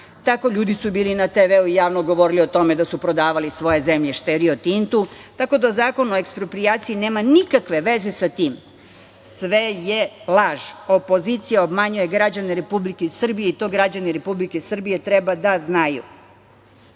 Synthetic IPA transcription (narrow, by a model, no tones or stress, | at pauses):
t̪ako̞ʎuːd̪isubiːlinat̪eʋeuijaːʋnoɡo̞ʋo̞ɾiliot̪o̞me̞d̪asupɾo̞d̪aːʋalisʋo̞je̞zemʎe̞ʃt̪eɾiot̪int̪ut̪ako̞d̪azaːko̞nuoekspɾopɾiaːt̪sijine̞ːmanikakʋe̞ʋe̞ze̞sat̪iːm | sʋeje̞lˠaʒo̞po̞zit̪sijaobmaɲuje̞ɡɾad͡ʑaneɾe̞publikesr̩bije̞it̪o̞ːɡɾad͡ʑaniɾe̞publikesr̩bije̞t̪ɾebad̪aznajṵ